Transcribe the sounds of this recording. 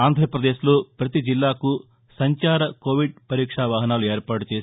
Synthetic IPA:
aːnd̪ʱɾɐpɾɐd̪eːʃloːpɾɐt̪id͡ʒilːaːku | sɐɲt͡ʃaːɾɐkoːʋiɖ̚pɐɾiːkʂaːʋaːɦɐnaːlueːɾpaːʈut͡ʃeːs

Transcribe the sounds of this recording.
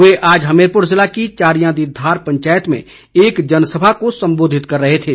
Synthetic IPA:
ʊeʔaːd͡ʒɦɐmeːɾpʊɾzɪlakit͡ʃaːɾijãd̪id̪ʱaːɾpə̃ɲt͡ʃaːjət̪mḛ̃ | eːkd͡ʒɐnsəbʱakosə̃mboːd̪ʱɪt̪kɐɾːəɦet̪ʰeː

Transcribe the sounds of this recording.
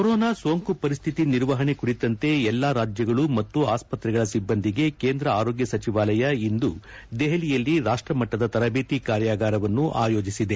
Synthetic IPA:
koɾoːnaːsoːŋkupɐɾist̪ʰit̪iniɾʋɐɦɐɳe̞kuɽit̪ːɐnt̪e̞ɛlːaɾaːd͡ʒjɐɡɐɭumɐt̪ːuaːspɐt̪ɾɛɡɐɭɐsibːɐnd̪iɡe̞keːnd̪ɾɐaːɾo̞ːɡjɐsɐt͡ʃiʋaːlɐjɐind̪u | d̪eɦɐlijɐlːiɾaːʂʈɾɐmɐʈːɐd̪ɐt̪ɐɾɐbeːt̪ikaːɾjaːɡaːɾɐʋɐnːuʔaːjo̞ːd͡ʒisid̪e̞

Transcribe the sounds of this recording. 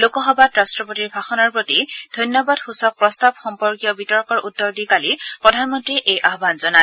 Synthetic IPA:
lokɔxɔbatɹastɹɔpotiɹbʱaxɔnɔɹpɹotid̥ʱɔjnjɔbadxusɔk̚pɹɔstabxɔmpɔɹkijɔbitɔɹkɔɹʔutːɔɹdikalipɹɔdʱanmɔntɹiʔejʔaɦbanzɔna

